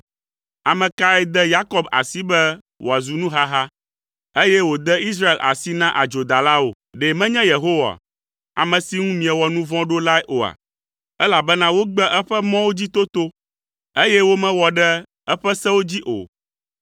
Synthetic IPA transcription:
a˨mɛ̃˨ka˦ɛ˦d̪ɛ˦ja˦kɔ˦ba̰˨si˦bɛ˦ | wʔo˨a˨zu˨nũ˦ɦa˦ɦa˦ | e˦jɛ˦wo˨d̪ɛ˦i˦s̬ɾa˦e˨lʔa̰˨si˦nã˦ʔa˨d͡ʒo˨d̪a˨la˦o̰˨ | ɖe˨mɛ̃˦ɲɛ̃˦je˨ɦo˦wa̰˨ | a̰˨mɛ̃˨si˦ŋũ˦mĩ˨ɛ˨wɔ˨nũ˦vɔ̃˦ɖo˦la˦ɛ˦ʔo˨a̰˨ | ɛ˦la˨bɛ˦nã˦wo˦ɡ͡bɛ˦ʔɛ˦ɸɛ˦mɔ̃˦wo˦d͡ʑi˦t̪o˦t̪o˦ | e˦jɛ˦wo˦mɛ̃˦wɔ˨ɖɛ˦ | ɛ˦ɸɛ˦sɛ̃˦wo˦d͡ʑi˦ʔo̰˨

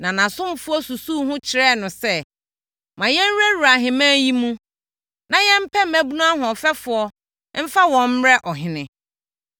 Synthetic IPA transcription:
nã˨nã˨sʊ̃˦m˨fʊ˦ɔ˦su˨suː˦˨hʊ̃˦t͡ɕʰɪ˨ɾɛ˦˨nʊ̃˨sɛ˦ | mã˨jɛ̃˦n˦ɾæ˦ɾu˨a˨ɦɪ̃˨mãː˦ji˦mũ˦ | nã˨jɛ̃˦m̩˦pʰɛ˦mæ̃˦bu˦nũ˦a˦ɦʊ̃˨ɔ˨fɛ˦fʊ˨˦ɔ˦ | m̩˦fa˦wɔ̃˨m̩˦ɾɛ˦ʔɔ˨ɦɪ̃˨nɪ̃˨

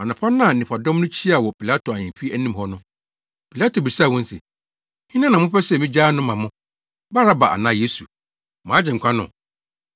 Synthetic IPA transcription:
ɔ˨nã˨pʰa˦nã˦˨nɪ̃˨pʰa˨dɔ̃˦mnʊ̃˦t͡ɕʰi˦a˨wɔ˨pʰi˨la˦tʰo˨a˨ɲɪ̃˨fi˦æ˦nĩ˦m˨hɔ˦nʊ̃˦ | pʰi˨la˦tʰo˨bi˨sa˦˨wɔ̃˦n̩˦sɛ̰˨ | hɪ˦nã˦nã˨mʊ̃˦pɛ˦sɛ˨mĩ˦d͡ʑaː˦nʊ̃˦mã˨mʊ̃˦ | ba˦ɾa˦ba˨ʔa̰˨nã˦je˦su˨ | mãː˨˦d͡ʑɪ̃˨ŋ̩˨kʰʷã˦nʊ̰̃˨

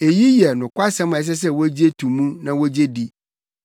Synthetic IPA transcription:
e˨ji˦jɛ˨nʊ̃˨kʷa˦sɛ̃˦m̃˨ɛ˨s̬ɛ˦s̬ɛ˦wo˦d͡ʑi˦e˦tʰũ˨mũ˦nã˨wo˦d͡ʑe˦di˦

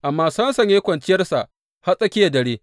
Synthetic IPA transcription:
ʔa˨mːaː˦sɐ˦nsɐ˨ɲjeː˦kʷɐ˨nt͡ʃɪ˦jɐ˦rsa˨ʔ | ha˦sʼɐ˦kʲɪ˦ja˨dɐ˨ɽeː˦

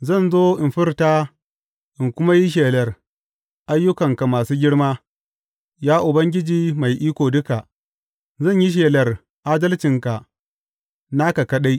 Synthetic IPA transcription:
zɐ˦˨nzoː˦ʔɪ˨mɸɪ˦rtaː˦ | ʔɪ˨ŋkʷʊ˦ma˦ji˦ʃ̬eː˨lɐ˨r | ʔa˦jːʊ˦kɐ˨ŋka˨maː˨suː˦ɡʲɪ˦ɽmaː˦ | jaː˦ʔʊ˨bɐ˦ŋɡʲɪ˦d͡ʒiː˨ma˨jʔiː˦kʷoː˨dʊ˦ka˨ | zɐ˦˨ɲji˦ʃ̬eː˨lɐ˨r | ʔaː˦dɐ˦lt͡ʃɪ˨ŋka˨ | na˦ka˨kɐ˦ɗa˦j

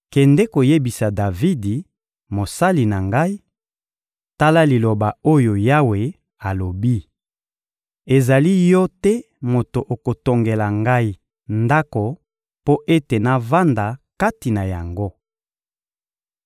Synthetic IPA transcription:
kɛ˨ndɛ˦ko˨je˦bi˨sa˨da˨vi˦di˨ | mo˨sa˦li˨na˨ŋɡa˦i˦ | ta˦la˦li˨lo˨ba˨o˦jo˨ja˦we˨ | a˨lo˨bi˦ | e˨za˨li˦jɔ˦tɛ˦ | mo˨to˨ʔo˨ko˨to˨ŋɡe˨la˨ŋɡa˦i˨ | nda˦ko˨ | po˦ʔe˦te˨na˨va˦nda˨ka˦ti˨na˨ja̰˨ŋɡo˦

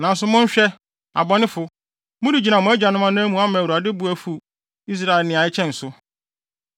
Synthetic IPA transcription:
nã˨n˦sʊ˦mʊ̃˦ɲ̩˦ɕᶣɛ˦ | a̰˨bɔ˨˦nɪ̃˦fʊ˨ | mʊ̃˦di˨d͡ʑi˨nã˨mʊ̃˦æ˦d͡ʑᶣa˨nʊ̃˦ã˦nã˦mũ˨a˦mã˨wu˨a˨dɪ˦bu˨˦æ˨fu˨ | i˦s̬ɾa˦ɪ˨lnɪ̃˨a˨ɪ˦t͡ɕʰɛ̃˦n̩˨sʊ˦

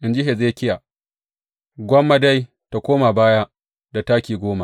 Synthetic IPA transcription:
ʔɪ˨nd͡ʒɪ˦ɦe˨zeː˦˨˦kʲɪ˦ja˨ | ɡʷɔ˦mːa˦da˦j | ta˨kʷoː˦ma˨baː˦ja˦ | da˨taː˦kʲiː˨ɡʷoː˦ma˨

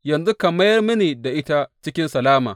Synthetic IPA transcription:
jɐ˨nzu˦kɐ˨mɐ˦jɐ˦rmu˦neː˨da˨ʔɪ˦ta˦t͡ʃɪ˦kʲɪ˦nsɐ˨laː˦ma̰ː˨

